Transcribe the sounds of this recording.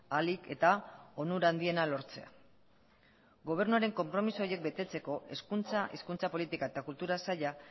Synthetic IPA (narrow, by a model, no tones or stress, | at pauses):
alike̞t̪aonuɾand̪ie̞nalo̞ɾt͡se̞a̰ | ɡo̞β̞e̞ɾnuaɾe̞ŋko̞mpɾo̞misoɾje̞k̚bet̪e̞t͡se̞ko̞ʔe̞skunt͡saʔiskunt͡sapo̞lit̪ikae̞t̪akult̪uɾasaʎa